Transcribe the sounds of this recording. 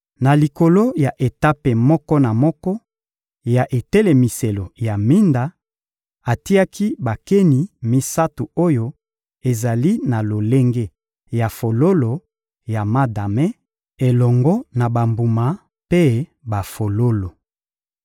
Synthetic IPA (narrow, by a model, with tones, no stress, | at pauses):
na˨li˨ko˨lo˦ja˨ʔe˨ta˦pe˨mɔ˦kɔ˦na˨mɔ˦kɔ˦ | ja˨ʔe˨tɛ˦le˨mi˨se˨lo˨ja˨mi˦nda˨ | a˨ti˦a˦ki˦ba˨ke˦ni˨mi˦sa˦tu˨o˦jo˦ | e˨za˨li˦na˨lo˨le˦ŋɡe˦ | ja˨fo˨lo˦lo˨ | ja˨ma˦da˨me˦ | e˨lɔ˨ŋɡɔ˦na˨ba˨mbu˨ma˨ | pe˦ba˨fo˨lo˦lo˨